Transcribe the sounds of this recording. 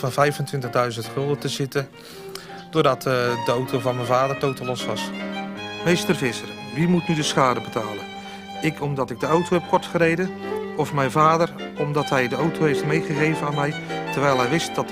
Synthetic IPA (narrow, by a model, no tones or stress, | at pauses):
vɑnvɛjfəntʋɪntəɣdœɥzəntχølˠdətəzɪtə | d̥ʊːrdɑtdəawtʰowvɑnmɛnvaːdərtoːtəlɔsʋɑs | mejstərvɪsərʋimutnydəsxaːdəbətaːlˠə | ɪkʰɔmdɔtɪɡ̚dəawtʰowhɛp̚kʰɔɹtχərejdəɔfmɛjnvaːdərɔmdɑtɦɛjdəawtʰowɦejftmejχəɣejvənaːnmɛjtərʋɛjlˠɦɛjʋɪst̚d̥ɔt